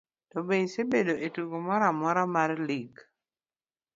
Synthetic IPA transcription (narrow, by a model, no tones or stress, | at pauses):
tɔbesebedoʔetukomɔɾamɔɾɔmarliɡ